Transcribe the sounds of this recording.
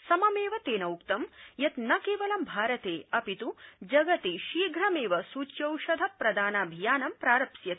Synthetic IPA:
sɐmɐmeːʋɐt̪eːnɐwukt̪ɐmjɐt̪nɐkeːʋɐlɐmbʱaːɾɐt̪eːɐpit̪ud͡ʒɐɡɐt̪iʃiːɡʱɾɐmeːʋɐsuːt͡ʃjɐwʃɐd̪ʱɐpɾɐd̪aːnaːbʱijaːnɐmpɾaːɾɐpsjɐt̪

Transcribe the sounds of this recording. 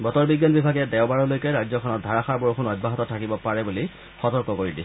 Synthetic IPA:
bɔtɔɹbiɡjanbibʱaɡɛdɛʊbaɹɔlojkɛɹajzɔkʰɔnɔt̚dʱaɹaxaɹbɔɹxʰunɔj̚bʱaɦɔtɔtʰːakibɔpaɹɛbuli | xɔtɔɹkɔkoɹidi

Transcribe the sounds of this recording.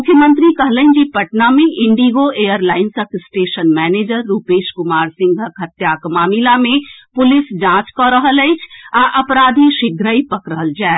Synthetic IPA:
mʊkʰjəmə̃nt̪ɾikəɦlənd͡ʒipəʈnamẽʔɪ̃ɳɖiɡoeːjəɾlaːɪnsəksʈeːʃənmɛːneːd͡ʒəɾːuːpeːʃkʊmaːɾsɪ̃ŋɡʱəkɦɐt̪jakmaːmilamẽpʊlɪsd͡ʒãːt͡ʃkɔɾəɦələɪt͡ʃʰaʔɐpɾaːd̪ʱiʃɪɡʱɾəipɐkɾəɦəld͡ʒaː

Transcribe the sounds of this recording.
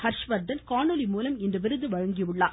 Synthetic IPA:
hɐɾʂʋɐɾd̪ɐnkaːɳɯlimuːlɐmɪndrɐʋɪɾɯðɯʋɐɻɐŋɡiʋɯɭːaː

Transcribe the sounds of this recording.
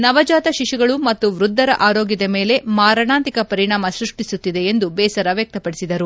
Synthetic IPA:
nɐʋɐd͡ʒaːt̪ɐʃiʃuɡɐɭumɐt̪ːuʋɾud̪ʱːɐɾɐ̰ʔaːɾo̞ːɡid̪ɐme̞ːle̞maːɾɐɳaːnt̪ikɐpɐɾiɳaːmɐsɾuʂʈisut̪ːid̪e̞ːnd̪ubɛːsɐɾɐʋjɐk̚t̪ɐpɐɽisid̪ɐɾu

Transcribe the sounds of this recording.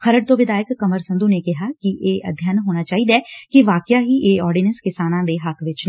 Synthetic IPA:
xəɾəɽt̪oːʋɪd̪aːjəkːəməɾsə̃nd̪unekɪɦaːkiʔeːʔə̰d̪ʱjaːnɦoːnaːt͡ʃaːɦiːd̪aːkiʋaːkɪjaːɦiʔeːɔːɾɖiːnə̃nskɪsaːnãːd̪eɦəkʰʋɪt͡ʃː

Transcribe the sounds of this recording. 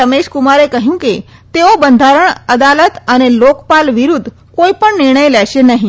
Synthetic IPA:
əmeɕkumaɾekəɦjũket̪eobənd̪ʱaɾəɳəd̪alət̪añelokpalʋiɾuːd̪ʱː | koipəɳniɾɳ̃əjleaɕenaɦi

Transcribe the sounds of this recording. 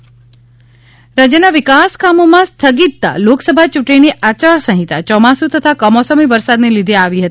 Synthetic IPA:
ɾad͡ʒjənaʋɪkaskamomãst̪ʰəɡit̪̚ːa̰loksəbʱat͡ʃuʈiniʔat͡ʃaɾsə̃ɦit̪a̰t͡ʃɔmasut̪ət̪ʰakəmɔsəmiʋəɾsad̪nelid̪ʱeaʋiɦət̪i

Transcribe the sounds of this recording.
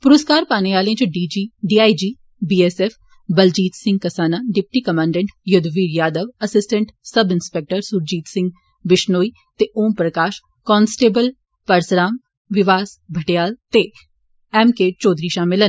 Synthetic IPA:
pʊɾəskaːɾpaːneaːleãt͡ʃɖiːd͡ʒiːɖiːaːid͡ʒiː | biːɛsɛːfʰ | bəld͡ʒiːt̪sɪ̃ŋɡ̚kəsaːnaːɖɪp̚ʈiːkəmãːɳɖɛ̃ɳʈjʊd̪ʋiːɾjaːd̪əʋəsɪsʈə̃ɳʈsəbɪnspɛk̚ʈəɾsuɾd͡ʒiːt̪sɪ̃ŋɡ | bɪʃnoːiː | t̪eʔoːmpɾəkaːʃ | kɔːnsʈeːbəl | pəɾsɾaːm | ʋɪʋaːsbʱəʈejaːlt̪e | ɛːmkeːt͡ʃɔːd̪ɾiːʃaːmɪlən

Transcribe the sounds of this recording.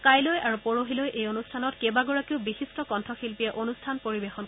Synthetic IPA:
kajlojaɹupoɹoɦilojʔejonustʰanɔtkɛbaɡɔɹakiʊbixistɔkɔntʰɔxilpijɛʔonustʰanpoɹibexɔn

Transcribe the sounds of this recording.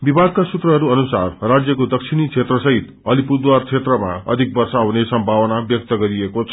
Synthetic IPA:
bibʱad̪̚kasut̪rʌɦʌɾuʌnusarrad͡zjʌkod̪ʌkt͡sʰinit͡sʰet̪rʌsʌɦit̪ | ʌlipud̪wart͡sʰet̪rʌmaʌ̰d̪ʱik̚bʌrsaɦunesʌmbʱawʌnabjʌk̚t̪ʌɡʌɾiekot͡sʰʌ

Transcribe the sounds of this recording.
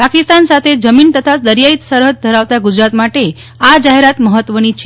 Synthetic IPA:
pakist̪ansat̪ʰed͡ʒəmint̪ət̪ʰad̪əɾjait̪səɾɦəd̪̚d̪ʱəɾaʋt̪aɡud͡ʒɾat̪maʈe | ad͡ʒaɦeɾat̪məɦət̪ʋənit͡ʃʰe

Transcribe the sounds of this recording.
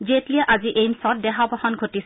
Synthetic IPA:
zetliɛʔaziʔejmsɔt̚dɛɦabʱɔxɔnɡʱotis

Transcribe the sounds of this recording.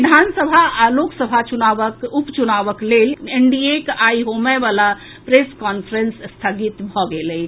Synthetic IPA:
id̪ʱansəbʱaloksəbʱat͡ʃunaʋəkupt͡ʃunaʋəkleleɳɖiekaiɦoməʋala | pɾeskɔnpʰəɾensst̪ʰəɡit̪bʱɔɡeləj

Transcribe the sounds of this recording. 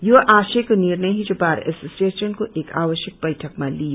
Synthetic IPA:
joʔaːʃekoniːɾneɦid͡ʒoːbaːɾɛ̰soːsieːʃənkoʔeːka̰ːʋəʃjək̚bɐjʈʰəkmãli

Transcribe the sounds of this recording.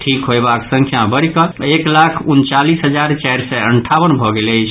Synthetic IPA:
ʈʰikɦojbaksə̃ŋkʰjabəɾkəeklakʰunt͡ʃalisɦəd͡ʒaɾt͡ʃajɾsɛəɳʈʰawənbʱɔɡeləjt͡ʃʰ

